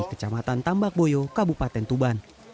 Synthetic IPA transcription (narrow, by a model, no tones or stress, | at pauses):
kə̥t͡ʃamat̪ant̪ambak̚bojɔkabupat̪ɛnt̪uban